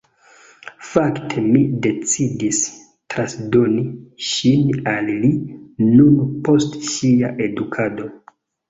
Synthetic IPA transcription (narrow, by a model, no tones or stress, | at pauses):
faktʰe̞mide̞t͡sidis | tɾasdo̞niʃinalːinunpo̞stʃiaʔe̞dukʰado̞